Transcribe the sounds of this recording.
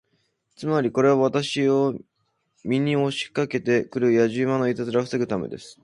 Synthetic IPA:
t͡sɨmaɾʲiko̞ɾe̞βaβ̞at̪aɕio̞ | mʲiɲ̟io̞ɕi̥kake̞t̪e̞kɯ̟ɾɯ̟jaʑɨːmano̞it̪at͡sɨɾaɸɯ̟seɡɯ̟t̪ame̞̰d̪e̞̰sɨ̥

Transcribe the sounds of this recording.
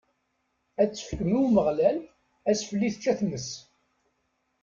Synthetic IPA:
æt͡sːə̥fə̥kːmiwməʁlæl | æsfəlːiθt͡ʃːæθnəs

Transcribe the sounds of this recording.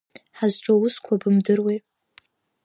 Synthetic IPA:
ħazʈ͡ʂʷʼowʊskʷʰabɨmdɨrwe

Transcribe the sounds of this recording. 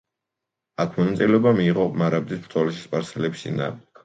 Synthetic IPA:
akʰmɔnat̪sʼilɛɔbamiːʁɔmaɾab̚d̪isbɾ̥t̪ʰʼɔlɛʃispʼaɾsɛlɛbisḭna̰bkʰ

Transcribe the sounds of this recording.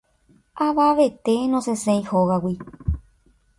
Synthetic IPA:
aʋaʋe̞t̪enõsesẽĩhoɣawi

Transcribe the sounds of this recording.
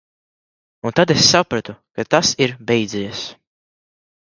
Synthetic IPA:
unt̪ad̪esːapɾat̪ukat̪asiɾbɛjd̪zɛjɛs

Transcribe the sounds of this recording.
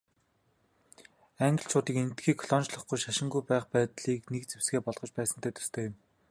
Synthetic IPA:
æŋɡə̆ɬt͡ɕʰʊːt̪iːkent̪ɡiːkʰɔɮɔnt͡ɕɮə̆χɡujʃaʃɪ̆ŋɡujpæːχpæːt̪ɮiːknek̚t͡sewsɡeːpɔɮʁ̥ɞ̆t͡ɕpæːsə̆nt̪ʰeːt̪ɵ̥̆st̪ʰeːjɪ̆m

